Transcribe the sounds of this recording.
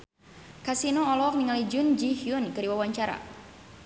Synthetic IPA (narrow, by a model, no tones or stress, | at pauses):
kasinoɔlɔɔk̚niŋalid͡ʒʊnd͡ʒihjunkəɾiwawaɲt͡ʃaɾa̰